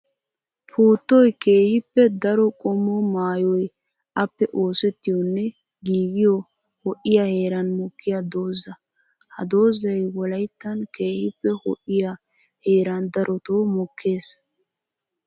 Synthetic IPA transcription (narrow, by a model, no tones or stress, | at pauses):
pʰuːt̪ːɔjke̞ːhɪpːɛd̪ɐɾɔkʼɔmːɔmaːjɔj | ʔɐpːɛʔo̞ːsɛt̪ːɪjɔnːɛ | ɡiːɡɪjɔ | hɔʔɪjahe̞ːɾɐnmɔkʰːɪjad̪o̞ːzɐ | hɐ̰d̪o̞ːzɐjwɔlɐjt̪ːɐnke̞ːhɪpːɛhɔ̰ʔɪja | heːɾɐnd̪ɐɾʔɔt̪oːmɔkʰːe̞ːs